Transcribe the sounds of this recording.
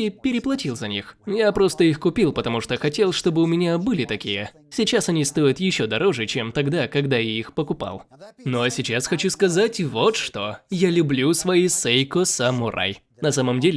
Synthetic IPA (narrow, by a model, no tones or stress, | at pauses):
ipʲɪɾʲɪplˠɐtʲilˠzɐnʲixjapɾo̞st̪əixkʊpʲilˠpət̪ɐmuʂt̪oxɐtʲe̞lˠʂt̪o̞bɨʊmʲɪnʲabɨlʲɪt̪ɐkʲijə | sʲɪt͡ɕasɐnʲist̪o̞jʊt̪jɪɕːo̞d̪ɐɾo̞ʐɨt͡ɕemt̪ɐɡd̪akɐɡd̪ajaixpəkʊpa̰lˠ | noɐsʲɪt͡ɕasxɐt͡ɕuskɐzatʲvo̞t̪ʂt̪o̞jalʲʊblʲusvɐisejkosɐmʊɾʔa̰j | nɐsaməmdʲelʲɪ